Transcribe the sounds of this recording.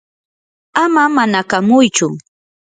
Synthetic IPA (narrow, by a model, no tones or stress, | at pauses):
amamanakamʊjt͡ʃʊ